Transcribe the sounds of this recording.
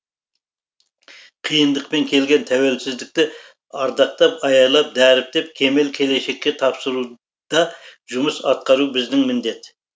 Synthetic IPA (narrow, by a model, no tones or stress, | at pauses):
qʰijənd̪əq̚pe̞ŋkʲʰe̞lɡʲe̞nt̪ʰæwe̞lsɪzd̪ɪk̚t̪ɪ | ɑɾd̪ɑqt̪ɑpɑjɑjlˠɑp̚d̪æɾɪp̚d̪e̞p̚kʲʰe̞me̞lkʲʰe̞le̞ʃe̞kʲːe̞t̪ʰɑpsəɾu | d̪̥ɑʒʊməsɑt̪̚qɑɾubɪzd̪ɪŋmɪnd̪e̞t̪